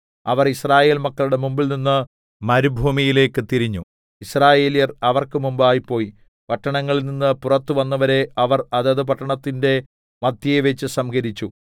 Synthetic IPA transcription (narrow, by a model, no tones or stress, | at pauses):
ɐ̰ʋɐrisraːje̞ːlmɐkːɐɭuɽe̞mumbilninːɨ | mɐɾubʱuːmijile̞ːkːɨt̪iɾiɲːu | israːje̞ːlijɐrɐʋɐrkɨmumbaːjipːo̞ːji | pɐʈːɐɳɐŋːɐɭilninːɨpurɐt̪ːɨʋɐnːɐʋɐɾe̞ʔɐʋɐrɐðɐðɨp̬ɐʈːɐɳɐt̪ːinde̞ | mɐd̪jɐjeʋet͡ɕːɨsɐmɡɐɾit͡ɕːu